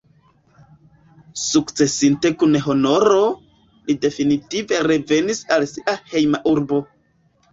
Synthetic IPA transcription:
sukt͡se̞sinte̞kunɦo̞no̞ɾo̞ | lide̞finitive̞ɾe̞ve̞nisalsiʔahe̞jmaʔuɾbo̞

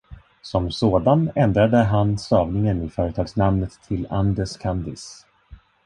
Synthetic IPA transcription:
sɔmsoːd̪anɛnd̪ɾad̪əɦansɑːvnɪŋənɪfœːɾət̪ʰɑːɡsnamnət̪ʰːɪland̪ɛʂkʰand̪ɪ̰s

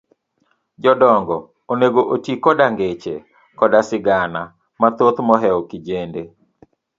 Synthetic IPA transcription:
d͡ʒɔdɔŋɡɔ | oneɡoʔotikɔdaŋɡet͡ʃḛ | kɔdasɪɡana | mat̪ot̪mɔɦɛɔkid͡ʒende

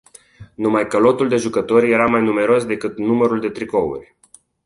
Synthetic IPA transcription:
numajkəlo̞t̪uld̪e̞ʒukət̪o̞rʲje̞ɾamajnume̞ɾo̞sd̪e̞kɨt̪numəɾuld̪e̞t̪ɾiko̞ṵrʲ

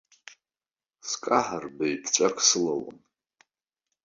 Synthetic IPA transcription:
skʼaħarbejpʰt͡ʃʷʼakʷʰʼsɨlawo̰n

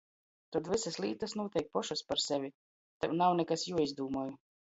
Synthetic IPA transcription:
t̪ad̪visaslˠiːt̪asnuɔt̪ɛjk̚pɔʃaspaɾsɛvʲi | t̪ɛwnawnɛkasjuɔizd̪uːmuɔːju

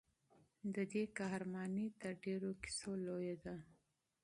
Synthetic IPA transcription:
d̪əd̪ekɑhɾmɑnit̪əɾɖeɾoki̥solojad̪a

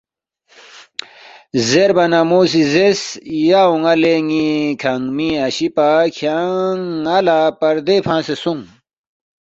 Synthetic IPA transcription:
zeɾbɐnamoːs̬izesjauŋɐleːŋikʰɐŋmiɐɕipakʰaŋɐlapɐɾd̪epʰãːsesuŋ

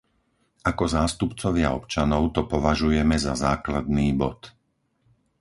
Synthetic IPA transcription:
akɔzaːst̪upt͡sɔʋɪaɔpt͡ʃanɔʊt̪ɔpɔʋaʒujɛmɛzazaːklad̪̚niːbɔ̰t̪

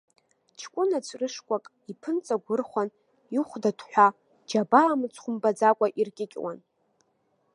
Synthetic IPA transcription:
t͡ʃʰkʷʼʊnat͡sʷʰʼrɨʂkʷʼakʼ | ipʰɨnt͡sʼaɡʷʊrχʷan | iχʷdatʰħʷᶣa | d͡ʒabaːmɨt͡sʰχʷʊmbad͡zakʷʼaʔirkʲʼɪkʲʼwa̰n

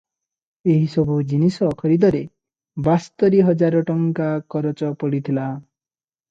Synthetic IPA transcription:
eɦisɔbʱud͡ʒinisɔkʰɔɾid̪ɔɾe | bast̪ɔɾiɦɔd͡ʒaɾɔʈɔŋkakɔɾɔt͡ʃɔpɔɽit̪ʰila

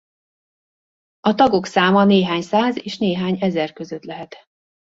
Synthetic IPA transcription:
ɒt̪ɒɡo̞ksaːmɒneːɦaːɲsaːzeːʃneːɦaːɲɛzɛrkøzøt̪lɛɦɛt̪

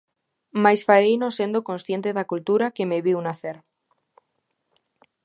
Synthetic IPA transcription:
majsfaɾejnõsend̪okonsθje̞nt̪eðakult̪uɾakemeβiwnaθeɾ

